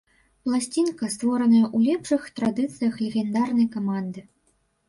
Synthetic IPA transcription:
plˠasʲt͡sʲinkɐst̪vɔɾɐnɐjɐʔulʲɛpʂɨxt̪ɾad̪ɨt̪sɨjɐxlʲɛɣʲɛnd̪arnɐjkamand̪ɨ

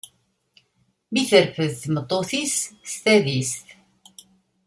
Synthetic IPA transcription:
miθəɾfəðθmət̪ˤːoθisst̪æðisθ

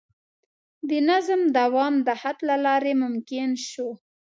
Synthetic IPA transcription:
d̪ənazmd̪awɑmd̪əhat̪lalɑɾemʊmkɪnʃo

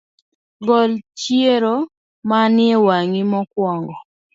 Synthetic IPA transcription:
ɡɔlt͡ʃieɾo | manɪewaŋimɔkwɔŋɡɔ

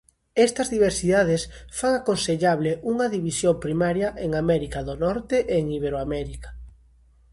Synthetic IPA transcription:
ɛst̪ɐzðiβ̞eɾsiðað̞esfaŋakonseʎaβleʔuŋɐðiβisjompɾimaɾjɐʔeŋamɛɾikaðonɔɾt̪eʔeːŋiβeɾoamɛɾikḁ

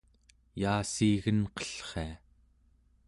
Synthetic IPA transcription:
jaːsiːɣənqʌ̥ɬχḛa

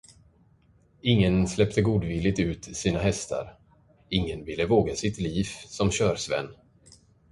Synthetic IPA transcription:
ɪŋːənslɛpt̪əɡuːd̪vɪlːɪt̪ʉ̟ːt̪siːnaɦɛst̪ʰa̰ɾ | ɪŋːənvɪlːəvoːɡasɪt̪liːvsɔmɕœːɾsvɛ̰nː

